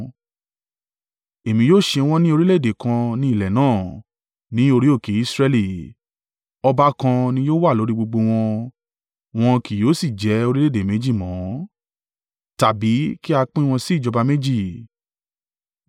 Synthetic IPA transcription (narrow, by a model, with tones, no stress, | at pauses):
e˨mĩ˧joː˦˨ʃe˧w̃ɔ̃˦nĩ˦o˧ɾi˦le˦˨de˨kã˧nĩ˧˦i˦˨lɛ˨nãː˦˨ | nĩ˨˦o˧ɾi˦o˦˨ke˨˦i˦˧sɾɛ˧li˨ | ɔ˧ba˧˦kã˧nĩ˦joː˦wa˦˨lo˨˦ɾi˦ɡ͡bo˧ɡ͡bo˧w̃ɔ̃˧ | w̃ɔ̃˧ki˨jo˨˦si˦˨d͡ʒɛ˨˦o˧ɾi˦le˦de˨mẽ˨˦d͡ʒi˦˨mɔ̃˨˦ | ta˨bi˨˦ki˦a˧k͡pĩ˦˧w̃ɔ̃˧si˨˦˨d͡ʒɔ˧ba˧me˦d͡ʒi˦˨